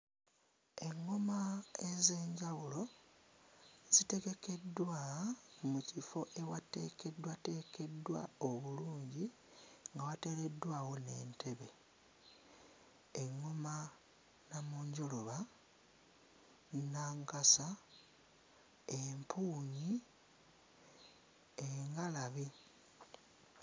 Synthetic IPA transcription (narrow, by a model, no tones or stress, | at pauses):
e̞ŋːomae̞ze̞ːɲɟawulo̞ | z̥ite̞ɡe̞ke̞dːwamucifo̞ʔe̞wate̞ːke̞dːwate̞ːke̞dːwa̰oβuluːɲɟi | ŋɡawate̞ɾe̞dːwaːwo̞ne̞ːntʰe̞βe̞ | eŋːoma | namuːɲɟo̞loβa | naŋkasa | empʰuːɲi | eŋɡalaβi